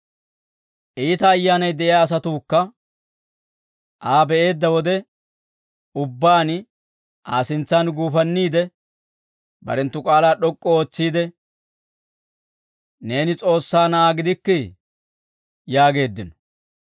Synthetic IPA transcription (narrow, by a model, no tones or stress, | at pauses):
ʔiːt̪ɐːjːaːnɐjd̪ɛʔɪjaːs̬ɐt̪uːkːɐ | ʔaːbɛʔe̞ːd̪ːɐwɔd̪ɛ | ʊbːaːn | ʔaːsɪnt͡sːaːnɡuːfɐnːiːd̪ɛ | bɐ̰ɾɛnt̪ːʊkʼaːlaːɗɔkʼːɔo̞ːt͡sːiːd̪ɛ | ne̞ːnɪt͡sʼo̞ːsːaːnɐaːɡɪd̪ɪkːɪ | jaːɡe̞ːd̪ːɪnɔ̥